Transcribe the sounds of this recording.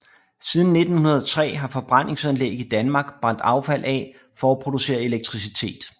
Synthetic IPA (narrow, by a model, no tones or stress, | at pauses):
siːð̞ˠn̩ːe̝d̥n̩hunɐð̞̩ˠt͡sʰʁɛ̰ːɦɑ̈fɒ̽b̥ʁɑn̰e̝ŋsænleɡ̥əid̥ænmɑ̈ːɡ̥b̥ʁɑ̈n̰d̥ɑ̈ʊfæl̰ʔɛ | fɒæpʰʁo̝d̥use̝̰ːɐe̝leɡ̥̚t͡sʰʁis̬it͡sʰe̝̰ːd̥